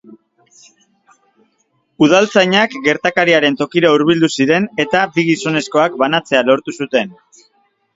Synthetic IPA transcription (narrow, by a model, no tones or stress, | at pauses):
uð̞alt͡sajɲakɡe̞ɾt̪akaɾiaɾe̞nt̪o̞kiɾauɾβild̪usiɾe̞ne̞t̪abiɣiso̞ne̞sko̞akbanat͡se̞alo̞ɾt̪usut̪e̞n